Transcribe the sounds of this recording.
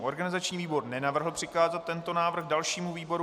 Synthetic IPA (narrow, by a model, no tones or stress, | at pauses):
ʔo̞ɾɡanɪzat͡ʃɲiːviːbo̞ɾnɛnavr̩ɦl̩pr̝̥ɪkaːzat̪ːɛnt̪o̞naːvr̩xdalʃiːmuviːbo̞ɾu